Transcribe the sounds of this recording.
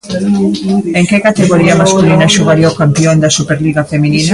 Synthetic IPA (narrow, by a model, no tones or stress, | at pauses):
eŋkekat̪eɣoɾiɐmaskulinɐʃoɣaɾiokampiond̪ɐsupeɾliɣafemininɐ